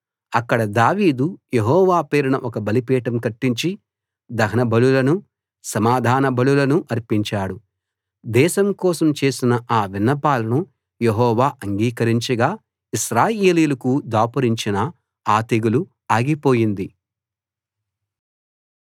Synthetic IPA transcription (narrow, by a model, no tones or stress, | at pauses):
ɐkːɐɽɐd̪aːʋiːd̪ujeɦɔːʋaːpeːɾunɐʔɔkɐbɐlipɛːʈɐmkɐʈːiɲt͡ʃi | d̪ɐɦɐnɐbɐlulɐnu | sɐmaːd̪ʱaːnɐbɐɭulɐnuʔɐɾpiɲt͡ʃaːɽu | d̪ɛːʃɐmkɔːsɐmt͡ʃe̞ːsinɐʔaːʋinːɐpaːlɐnu | jeɦɔːʋaːʔɐŋɡiːkɐɾiɲt͡ʃɐɡaː | iʃɾaːjeːliːulɐkud̪aːpɐɾiɲt͡ʃinɐ | aːt̪iɡulu | aːɡipo̞ːjind̪i